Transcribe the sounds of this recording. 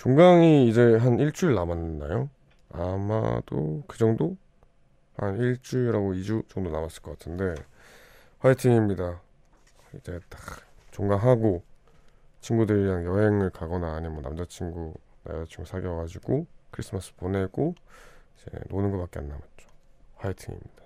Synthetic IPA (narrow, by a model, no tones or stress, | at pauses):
t͡ɕoŋɡaŋiːd͡ʑe̞ɦaniɭt͡ɕ͈uiɭnamanːɯnda̰jo | a̰ma̰do̰kɯd͡ʑʌŋdo | ha̰niɭt͡ɕ͈uiɾaɡoid͡ʑut͡ɕʌŋdonamas͈ɯɭk͈ʌk͈atʰɯnde̞ | waetʰiŋimɲida | id͡ʑe̞tḁkt͡ɕoŋɡaɦaɡo | t͡ɕʰinɡudɯɾianjʌɦe̞ŋɯɭkaɡʌnaːɲimwʌnamd͡ʑat͡ɕʰiŋɡuna̰d͡ʑat͡ɕʰiŋɡusʰaɡjʌɡad͡ʑiɡ̥okʰɯɾis͈ʰɯmas͈ɯpone̞ɡ̥oid͡ʑe̞̰nonɯnɡʌpak͈e̞anːabat̚t͡ɕ͈o̥ɸwaitʰiŋḭmɲid̥ḁ